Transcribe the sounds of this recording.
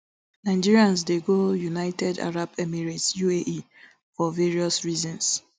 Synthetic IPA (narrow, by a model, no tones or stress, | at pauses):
nãɪd͡ʒiɹiãnsdeɡojunaɪtɛda̰ɹabɛmiɹetsjueʔi | fɔveɹiɔsɹizɔ̃ns